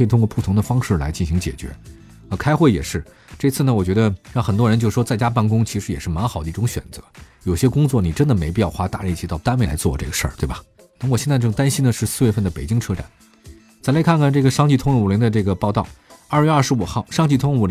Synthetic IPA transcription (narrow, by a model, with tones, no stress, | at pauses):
i˨t̪ʰʊ˥ŋkwɔ˧pu˥˩t̪ʰʊ˧˥ŋd̪ə˧fɑ˥ŋʂɻ̩˥˩la̰˧˥ɪt͡ɕi˥˩nɕi˧˥ŋt͡ɕjɛ̰˨˩t͡ɕɥɛ̰˧˥ | ə˧kʰa˥ɪxwe˥˩jɛ̰˨˩ʂɻ̩˥˩ | ʈ͡ʂɤ˥˧i˧˥t͡sʰɹ̩˥˩nə˩wɔ˨˩t͡ɕɥɛ˧˥ə˧ɻɑ˥˩ŋxə˨˩nt̪wɔ˥ɻə˧˥t͡ɕo˥˧ʊʂ̩ɻ̩˥˩ʂwɔ˥t͡sa˥˩ɪt͡ɕja˥p̬a˥˩nkʊ˥ŋt͡ɕʰi˧˥ʂɻ̩˧˥jɛ˨˩ʂɻ̩˥˩ma˧˥nxɑ˨˩ʊd̪ə˦i˥˩ʈ͡ʂʊ˧˥ŋɕɥɛ̰˨˩nt͡sɤ˧˥jo˨˩ʊɕjɛ˥kʊ˥ŋt͡swɔ˥˩ni˨˩ʈ͡ʂə˥nd̪ə˨me˧˥ɪpi˥˧jɑ˥˧ʊxwa˥t̪a̰˥˧li˥˩t͡ɕʰi˧˥t̪ɑ˥˩ʊt̪a˥nwe˥˩ɪla̰˧˥ɪt͡swɔ˥˧ʈ͡ʂɤ˥˩ɡə˩ʂə̰˞˥˩t̪we˥˩bɐ˩ | na˥˩wɕjɛ˥˧t͡sa˥˧ɪʈ͡ʂɤ˥˩ŋt̪a˥nɕi˥nd̪ə˨ʂɻ̩˥˧sɹ̩˥˧ɥɛ˥˧fə˥˩nd̪ə˩pe˨˩ɪt͡ɕi˥ŋʈ͡ʂʰɤ˥ʈ͡ʂa̰˨˩˦n | t͡sa˧˥ɪla˧˥ɪkʰa˥˧nkʰa˥˩nʈ͡ʂɤ˥˩ɡə˩ʂɑ˥ŋt͡ɕi˥˩t̪ʰʊ˥ŋɻə˥˩u˨˩li˧˥ŋd̪ə˧ʈ͡ʂɤ˥˩ɡə˩pɑ˥˧ʊt̪ɑ˥˩ʊɐ˞˥˩jɥɛ˥ɐ˞˥˧˩ʂɻ̩˧˥u˨˩xɑ˥˩ʊʂɑ˥ŋt͡ɕi˥˩t̪ʰʊ˥ŋ˥˩u˨˩l